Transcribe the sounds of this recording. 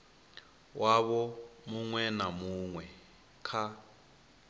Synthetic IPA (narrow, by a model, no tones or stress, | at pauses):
wʔaβɔmuŋwɛnamuŋwɛ | kʰa